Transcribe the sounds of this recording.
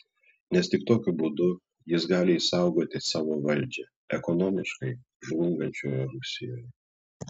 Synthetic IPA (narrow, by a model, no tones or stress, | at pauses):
nʲɛst̪ʲɪk̚t̪oːkʲʊbud̪ʊ | jɪsɡɑːlʲɪiːsɐˑʊɡoːt̪ʲɪsɑːʋoːʋɐlʲˑd͡ʒʲɛ | ɛkɔnɔːmʲɪʃkɐɪ | ʒlˠʊŋɡɐnʲt͡ʃʲoːjɛɾʊsʲɪjoːjɛ